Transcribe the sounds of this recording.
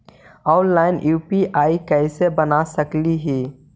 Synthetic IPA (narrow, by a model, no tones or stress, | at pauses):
ɔːʊnlaːɪnjuːpiʔaːikɛːsebənasəkliɦiː